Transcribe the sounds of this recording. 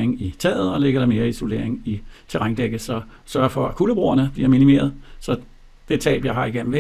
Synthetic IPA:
eŋit͡sʰɛ̰ːð̩ˠɒ̽leɡ̥ɐɾ̥ɑ̈me̝ːɐiiso̝le̝ɐ̰eŋit͡sʰe̝ʁaŋd̥eɡ̥əsɒ̽ | sɶɐfɒ̽ækʰuləb̥ʁo̝̰ːɐnəb̥liɐminime̝̰ːɐð̞ˠsɒ̽ | d̥e̝t͡sʰɛ̰ːb̥jɑ̈ɪɦɑ̈iɡ̥en̰m̩ʋe

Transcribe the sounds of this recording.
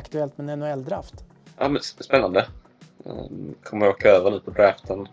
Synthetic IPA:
kt̪ɵɛlt̪mɛnɛnːʊɛld̪ɾa̰ft̪ | ʔɑ̰ːmɛnsspɛnːand̪ə̰ | kʰɔmːəɾoːkaøːvəɳʉ̟ːpʰɔd̪ɾaːft̪ʰən

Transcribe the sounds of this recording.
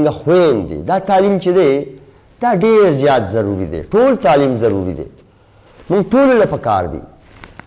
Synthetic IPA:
ɡaxwend̪ḭd̪at̪aːlimt͡ʃed̪e | d̪̥aɖeɾzjɑːt̪zɐɾuɾid̪ḛʈolt̪aːlimzɐɾuɾḭd̪ḛ | mʊŋɡʈololapakɑ̰ːɾd̪ḭ

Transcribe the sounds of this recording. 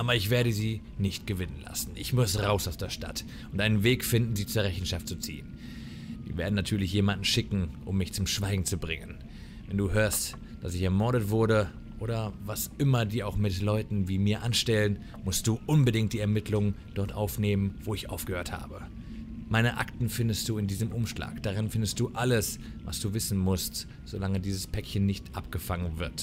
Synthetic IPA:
ʔaːbɐɪçv̥eːɐɾəziː | nɪçtɡ̥əvɪnənla̰sn̩ʔɪçmʊsʁaʊsaʊsd̥eːɐʃta̰t | ʊntʔaɪnənveːkfɪndn̩ziːt͡suːɐɛçn̩ʃaft̚t͡sut͡sḭːən | zḭːveːɐdn̩natʰyːɐlɪçjeːmandn̩ʃɪkŋ̩ʔʊmːɪçt͡sʊmʃv̥aɪɡŋ̩t͡subʁɪŋən | vɛnduːhøːɐst | d̥asɪçɛɐmɔɐɾətv̥ʊɐɾə | ʔoːɾɐvasʔɪmɐdiːɐaʊxmɪtlɔʏtn̩viːmiːɐʔanʃtɛlən | mʊstd̥uːʔʊnbədɪŋkt̚d̥iːɛɐmɪtʰlʊŋən | d̥ɔɐtʔaʊfneːmənvoːɪçʔa̰ʊfɡ̥əhøːɐtha̰ːbə | maɪnəʔa̰ktn̩fɪndəst̚d̥uːɪndiːzəmʔʊmʃla̰ːkd̥aʁ̞ɪnfɪndəstd̥uːʔaləs | va̰sd̥uːvɪsn̩mʊst | z̥olaŋədiːzəspʰɛkçənːɪçtʔap̚ɡ̥əfaŋənvɪɐt

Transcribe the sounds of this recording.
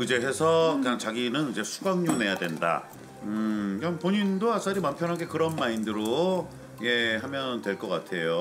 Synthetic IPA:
id͡ʑe̞ɦe̞sʰʌkat͡ɕaɡinɯnid͡ʑe̞sʰuɡaŋɲune̞jadwe̞nda̰ | ɯkanpoɲindoas͈aɾimampʰjʌnɦaɡe̞kɯɾʌnmaindɯɾo | je̞ɦamjʌntwe̞ɭk͈ʌk͈atʰe̞jo

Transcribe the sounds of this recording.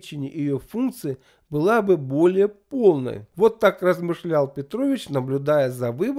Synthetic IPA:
t͡ɕɪnʲɪjʔɪjofunkt̪sɨɪ | bɨlˠabɨbo̞lʲɪjəpo̞lˠnə̰jvo̞t̪ːakrəzmɨʂlʲalˠpʲɪt̪ɾo̞vʲɪt͡ɕnəblʲʊd̪ajəzɐvɨb

